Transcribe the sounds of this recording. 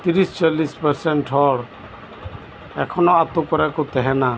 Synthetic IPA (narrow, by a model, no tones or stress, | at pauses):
t̪iɾist͡ʃalispɛɾsɛɳʈɦɔɽ | ɛkʰɔnɔat̪ukɔɾɛkut̪ɛɦɛna